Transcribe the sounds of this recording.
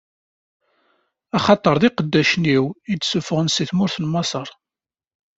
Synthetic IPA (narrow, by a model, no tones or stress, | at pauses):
ɑχɑt̪ˤəɾˤðiqəd̪ːæʃniwit̪ːsufəʁənsiθmʊɾθənmɑsˤəɾˤ